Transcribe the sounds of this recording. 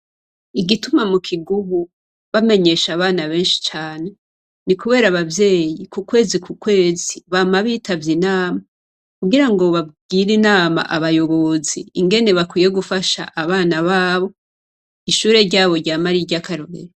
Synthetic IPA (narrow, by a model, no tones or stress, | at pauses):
iɡitumamukʰiɡuβu | βame̞ɲe̞ʃaβaːnaβe̞ːnʃi̥t͡ʃaːne̞ | nikuβe̞ːɾaβavje̞ːjikukwe̞ːzikukwe̞ːziβaːmaβiːtavjinaːma | kuɡiɾaŋɡo̞βab̚ɡiːɾinaːma̰ʔaβajo̞βo̞zḭːŋɡe̞ne̞βakwiːje̞ɡufaʃa̰ʔaβaːnaβaːβo̞ | iʃuːɾe̞ɾɟaːβo̞ɾɟaːmaɾiɾɟakaɾoɾḛɾe